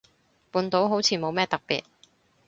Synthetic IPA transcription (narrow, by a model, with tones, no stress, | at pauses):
puː˨˧nt̪o˨˥wɦo˨˥wt͡sʰiː˨˧mo˨˧wmɛː˥t̪ɐ˨k̚pḭː˨t̚